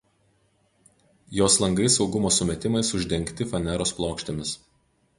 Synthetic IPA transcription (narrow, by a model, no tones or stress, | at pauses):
joːslˠɐŋɡɾʲɪsɒʊɡʊmoːsʊmʲɛt̪ʲɪmɐɪsʊʒʲd̪ʲɛŋʲˑkt̪ʲɪfɐnʲɛɾoːsplˠoːkʃʲt̪ʲemʲɪs